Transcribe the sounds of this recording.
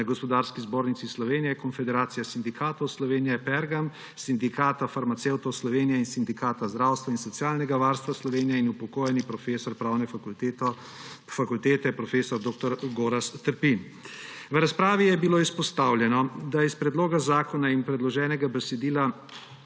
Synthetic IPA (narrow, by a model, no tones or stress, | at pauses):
ɡɔspɔd̪aːɾskizboːɾnit̪sislɔʋeːnijɛkɔnfɛd̪ɛɾaːt̪sijasind̪ikʰaːt̪ɔwslɔʋeːnijɛpɛɾɡam | sind̪ikaːt̪afaɾmat̪sewt̪ɔwslɔʋeːnijɛinsind̪ikaːt̪azd̪ɾaːwst̪ʋainsɔt̪sijaːlnɛɡaʋaːɾst̪ʋaslɔʋeːnijɛinupɔkoːjɛnipɾɔfeːsɔɾpɾaːwnɛ | fakult̪eːt̪ɛpɾɔfeːsɔɾd̪oːk̚t̪ɔɾɡoːɾast̪əɾpin | ʋɾaspɾaːʋijɛbiloːispɔst̪aːwlʲjɛnɔd̪aispɾɛd̪loːɡazaːkɔnaimpɾɛd̪lɔʒɛːnɛɡabɛsɛd̪iːla